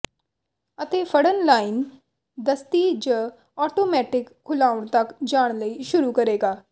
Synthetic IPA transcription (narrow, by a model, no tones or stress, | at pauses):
ət̪eːpʰəɽənlaːin | d̪əst̪iːd͡ʒə | ɔːʈoːmɛːʈɪkʰːʊlaːʊɳ̃t̪əkd͡ʒaːɽ̃ləiːʃʊɾuːkəɾeːɡaː